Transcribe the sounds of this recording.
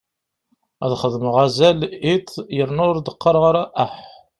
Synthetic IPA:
æ̰ðχəðməʁæzælit̪jəɾnʊɾd̪əqːəɾˤʁaɾæʔæħ

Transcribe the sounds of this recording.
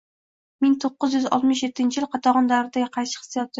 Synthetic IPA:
mɪŋt̪ʰoqːɨzjʏzɒ̰lˠt̪mɪʃje̞t̪ʰːɪnt͡ʃʰɪjɪlˠqʰɑt̪ʰɑʁɒnd̪aɾɪd̪aɡʲɪqʰɑjʃɪ̥χɨ̥sijɒt̪̚ʰːɪ

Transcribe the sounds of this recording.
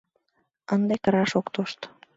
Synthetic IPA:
ənd̪ekəɾɑʃokt̪oʃt̪

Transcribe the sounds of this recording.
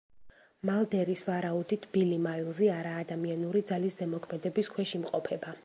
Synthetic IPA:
malˠd̪ɛɾisvaɾaud̪it̪ʰb̥ilimailˠzɛaɾaːd̪amianuɾid̪zaliszɛmɔkʰmɛd̪ɛbiskʰwɛʃimqʼɔpʰɛba

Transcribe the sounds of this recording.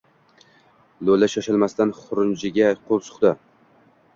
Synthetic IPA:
lolːaʃaʃalmast̪anχʊɾʊnt͡ʃɪɡʲaqʰolˠsʊ̥χd̪a

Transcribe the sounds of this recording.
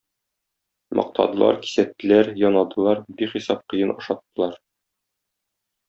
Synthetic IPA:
mʔɒ̰q̚t̪ʰɑ̰d̪ɤ̆lˠɑ̰ɾki̥sæt̪ːɘ̆læɾjɒnɑd̪ɤ̆lˠɑɾbiχisɑp̚qɤ̆jɤnɒ̆ʃɑt̪ːɤ̆lˠɑɾ

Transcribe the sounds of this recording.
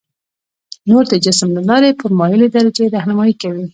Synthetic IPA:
noɾd̪əd͡ʒɪsmlalɑɾepəɾmɑjəled̪ɑɾad͡ʒeɾahnamɑikawi

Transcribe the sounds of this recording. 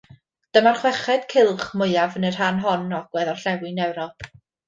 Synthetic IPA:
d̥əmarχwɛχɛd̥kʰɪlˠχmʊɨjavənər̥hanɦɔnɔɡ̥wɛðɔrɬɛwɨnɛwɾɔpʰ

